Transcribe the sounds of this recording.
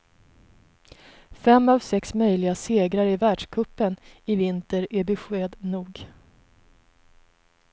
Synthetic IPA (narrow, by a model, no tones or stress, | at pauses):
fɛmːavsɛksmœjlɪɡaseːɡɾaɾɪvæːɖʂkʰɵpːənɪvɪnt̪əɾæɾbɛɧeːd̪nuːɡ